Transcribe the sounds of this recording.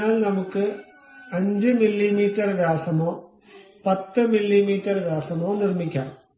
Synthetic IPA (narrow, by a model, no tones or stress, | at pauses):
aːlnɐmukːɨ | ɐɲd͡ʑɨmilːimiːtːɐrɡaːsɐmoː | pɐt̪ːɨmilːimiːtːɐrɡaːsɐmoːnirmikʲːa̰ːm